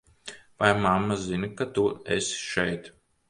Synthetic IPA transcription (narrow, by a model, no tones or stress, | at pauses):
vajmamːazinkat̪uḛsʃɛjt̪